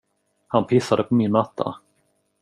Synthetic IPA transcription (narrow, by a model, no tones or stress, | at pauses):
hanpʰɪsːad̪əpʰɔmɪnmat̪ʰːa̰